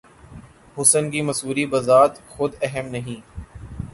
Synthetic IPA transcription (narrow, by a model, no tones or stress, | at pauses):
ɦʊsənkimɐsuːɾibɐzaːt̪xʊd̪ɛɦəmnɐɦĩː